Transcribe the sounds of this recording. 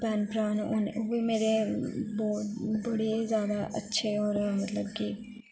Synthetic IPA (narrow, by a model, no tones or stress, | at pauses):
pɛːnpɾaːnoːneʋiːmeːɾeːbɔːt̪bəɽezjaːd̪aːʔə̰tːʃʰeːoːɾmət̪ləbkiː